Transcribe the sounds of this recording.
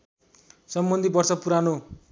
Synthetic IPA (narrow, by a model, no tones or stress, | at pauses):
sʌmbʌnd̪ʱibʌrsʌpuɾano